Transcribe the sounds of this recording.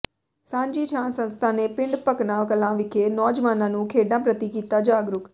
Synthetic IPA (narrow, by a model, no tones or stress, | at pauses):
sãːɲd͡ʒiːt͡ʃʰãːnsə̃nst̪ʰaːneːpɪ̃ɳɖpəknãːkəlãːʋɪkʰeːnɔːd͡ʒʋaːnãːnũːkʰeːɖnãːpɾət̪iːkiːt̪aːd͡ʒaːɡɾʊk